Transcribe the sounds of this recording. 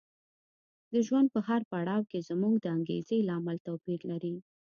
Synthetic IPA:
d̪əʒwand̪̚pəɦaɾpaɽɑwkezmuɡd̪əaŋɡḛzelɑmalt̪awpiɾlaɾi

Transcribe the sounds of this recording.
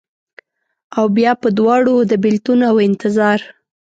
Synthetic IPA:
awbjɑpəd̪wɑɽod̪əbɪlt̪unawɪnt̪ɪzɑɾ

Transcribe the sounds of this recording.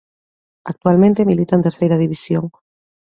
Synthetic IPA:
ak̚t̪ualmẽnt̪emilit̪ant̪eɾθejɾɐðiβ̞isjoŋ

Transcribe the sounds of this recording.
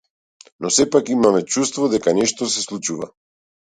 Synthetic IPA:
nɔsɛpakimamɛt͡ʃust̪vɔd̪ɛkanɛʃt̪ɔsɛslˠut͡ʃuva̰

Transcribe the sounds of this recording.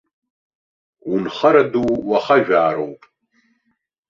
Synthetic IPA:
unχɐɾaduwwaχaʒᶣaːɾo̰wpʼ

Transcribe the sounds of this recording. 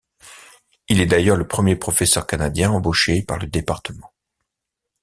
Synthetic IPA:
ilɛd̪ajœʁləpχəmjepχɔfɛsœʁkanad̪jɛ̃ɑ̃boʃepa̰ʁləd̪epaʁt̪əmɑ̃

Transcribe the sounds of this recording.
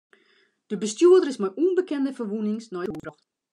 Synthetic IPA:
d̥əbəstjuədərɪsmɛjʔunbəkɛndəfərʋunɪŋsnɔjurə

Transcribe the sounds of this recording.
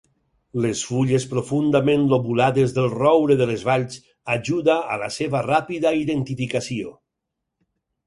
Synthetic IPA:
lesfuʎespɾofund̪amẽnloβulaðezðəlˠrɔwɾeðəlezβaʎz | aʒuðaːla̰seβarapiðaiðent̪ifikasio

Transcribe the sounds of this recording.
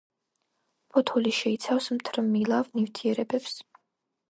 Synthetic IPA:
pʰɔt̪ʰɔliʃɛit̪sʰafsmt̪ʰɾmilˠavnivt̪ʰiɛɾɛbɛps

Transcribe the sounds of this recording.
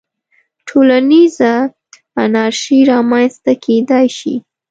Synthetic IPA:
ʈʰolaniza | anaɾʃiɾɑmanst̪akʰed̪ajʃḭ

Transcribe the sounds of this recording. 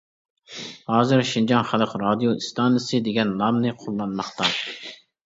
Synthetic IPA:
hɑːzɨɾʃind͡ʒɑnχælˠəqɾɑd̪ijoist̪ʰɑnɨjɪsɨd̪eɡʲɛnːɑmnɨqʰolˠːɑnmɑχt̪ɑ

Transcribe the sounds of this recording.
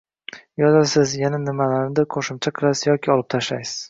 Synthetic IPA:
jɒzalsɪzjananɪmalaɾnɪd̪aqʰoʃɪmt͡ʃʰaqʰɨlˠasɪ̥zjɒkʲɪɒlˠɪp̚t̪ʰaʃlajsɪ̥z̥

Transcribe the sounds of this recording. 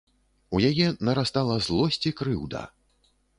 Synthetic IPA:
ujajɛnɐɾast̪alˠɐzlˠɔsʲt͡sʲikɾɨwd̪ɐ̰

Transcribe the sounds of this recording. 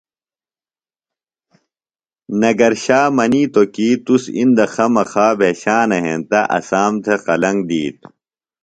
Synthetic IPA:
nɐɡɐɾɕaːmɐniːt̪okiːt̪usḭnd̪ɐxɐmɐxaːbʱeːɕaːnɐɦẽnt̪ɐʔɐ̰saːmt̪ʰeqɐlɐŋɡd̪iːt̪̚

